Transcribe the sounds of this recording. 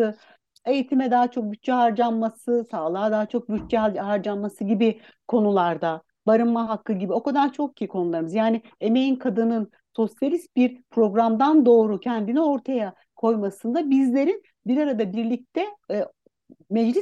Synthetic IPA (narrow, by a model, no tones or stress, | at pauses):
ɯ | e̞jit̪ʰimɛd̪aːat͡ʃʰo̞k̚byt͡ʃt͡ʃɛɦaɾd͡ʒanmasɯsaːlˠaːd̪aːat͡ʃʰo̞k̚byt͡ʃt͡ʃɛahaɾd͡ʒanmasɯɟibi | kʰo̞nulˠaɾd̪a | baɾɯmːaɦakʰːɯɟibio̞kad̪ant͡ʃʰo̞k̚cʰijikʰo̞nulˠaɾɯmɯzjaːnɪe̞me̞jinkʰad̪ɯnɯn | so̞sjalʲist̪̚biɾpʰɾo̞ɡɾamd̪and̪o̞ːɾucʰɛnd̪inio̞ɾt̪ʰaja | kʰo̞jmasɯnd̪abizlʲe̞ɾin | biɾaɾad̪abiɾlʲic̚t̪ʰɛ | mɛd͡ʒlʲis